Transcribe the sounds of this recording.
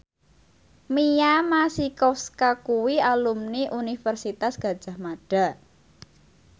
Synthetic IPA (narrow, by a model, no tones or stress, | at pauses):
mijamasikɔskakuwialumniʔunifərsit̪asɡ̥ä̤d̥ʒ̥a̤hmaɖ̥a̤